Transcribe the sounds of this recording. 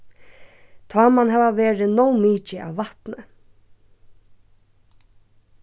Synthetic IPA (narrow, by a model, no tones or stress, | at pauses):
t̪ʰɑːmanɦɛːʋaʋeːɹɪnɔwmiːt͡ʃɪʔa̰ʋːaht̪nə